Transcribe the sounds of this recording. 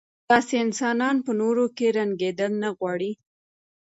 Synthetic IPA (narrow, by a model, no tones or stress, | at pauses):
t̪ɑseɪnsɑnɑnpənoɾokeɾaŋɡed̪əlnaɣwɑɽi